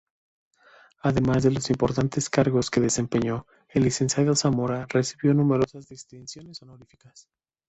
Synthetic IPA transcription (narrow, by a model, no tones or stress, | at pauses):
aðe̞mazðe̞lo̞simpo̞ɾt̪ant̪e̞skaɾɣo̞ske̞ðe̞se̞mpe̞ɲo̞ | elːise̞nsjaðosamo̞ɾare̞siβjo̞nume̞ɾo̞sazðist̪insjo̞nesonoɾifi̥kas